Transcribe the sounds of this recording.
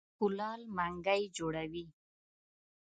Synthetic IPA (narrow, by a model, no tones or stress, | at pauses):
kʊlɑlmaŋɡəjd͡ʒoɽawi